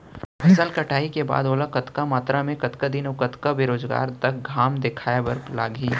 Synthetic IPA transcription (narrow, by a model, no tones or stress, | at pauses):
fɐsəlkɐʈʰaːikeba̰ːd̪oːlakɐt̪kamaːt̪ɾamẽkɐt̪kad̪inoːkɐt̪kabeːɾoːzɡa̰ːɾt̪ɐk̚ɡʱaːmd̪ɪkʰaːjabɐɾplaːɡiː